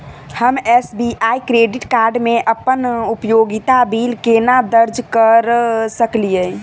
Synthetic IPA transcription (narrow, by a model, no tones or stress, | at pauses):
həmesbiaikɾeɖiʈkaɾɖmeʔəpːənupjoɡit̪abilkenad̪əɾd͡ʒʱkəɾsəklijə